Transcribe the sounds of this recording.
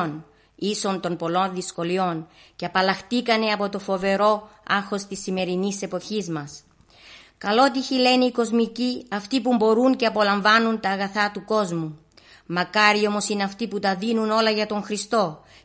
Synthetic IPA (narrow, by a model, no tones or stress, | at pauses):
n | iso̞nt̪o̞mpo̞lo̞nðisko̞lio̞nce̞ɐpɐlɐxt̪ikɐne̞ɐpo̞t̪o̞fo̞ve̞ɾo̞ɐɾxo̞st̪isːime̞ɾinise̞po̞çizmɐs | kɐlo̞t̪̬içile̞niiko̞zmiciɐft̪ipumbo̞ɾunce̞ɐpo̞lɐɱvɐnunt̪ɐːɣɐθɐt̪uko̞zmu | mɐkɐɾio̞mo̞sine̞ɐft̪iput̪ɐðinuno̞lɐʝɐt̪o̞ŋxɾist̪o̞